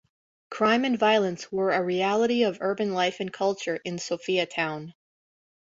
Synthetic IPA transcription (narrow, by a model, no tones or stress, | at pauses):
kʰɹ̥ãɪ̃mɨ̃nvaɪl̩ˠə̃nswə˞ɨɹiælˠəɾiʌvɜ˞bɨ̃nlaɪfɨ̃nkʰʌlˠt͡ʃə˞ʔɨ̃nsoʊfiɨtʰãʊ̃n